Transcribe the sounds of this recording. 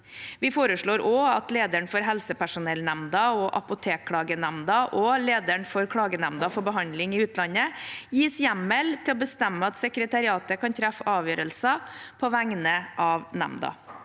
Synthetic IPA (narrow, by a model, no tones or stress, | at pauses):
ʋɪfoːɾəʂɭoːɾoːɑt̪leːd̪əɳfɔɾɦɛlsəpæʂʊnɛlnæmd̪ɑɔʔɑpʊt̪ʰeːkʰːɽɑːɡənæmd̪ɑʔɔleːd̪əɳfɔɾkʰɽɑːɡənæmd̪ɑfɔɾbəɦɑnd̪lɪŋɪʉːt̪ʰlɑnːəjiːsjæmːɛlt̪ʰɪlɔbəst̪æmːəɑt̪sɛkɾət̪ɑɾɪɑːt̪əkɑnt̪ʰɾæfɑːʋjøːɾəlsəpʰɔʋæŋnəʔɑːʋnæ̰md̪ɑ̰